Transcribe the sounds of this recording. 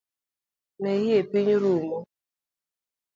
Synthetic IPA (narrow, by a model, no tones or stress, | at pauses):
nɛjiepiɲɾumɔ